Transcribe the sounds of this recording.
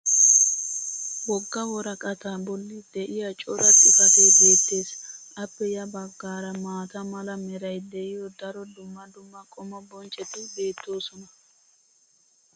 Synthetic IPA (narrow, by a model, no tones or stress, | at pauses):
wɔɡːɐwɔɾɐkʼɐt̪abɔlːɪd̪ɛʔɪjɐt͡ʃʼɔɾɐt̪ʼɪfɐt̪eːbe̞ːt̪ːe̞ːsɐpːɛjɐbɐɡːaːɾɐmaːt̪ɐmɐlɐmɛɾɐjd̪ɛʔɪjɔd̪ɐɾɔd̪ʊmːɐd̪ʊmːɐkʼɔmɐbɔnt͡ʃʼɛt̪ɪbe̞ːt̪ːo̞ːsɔnɐ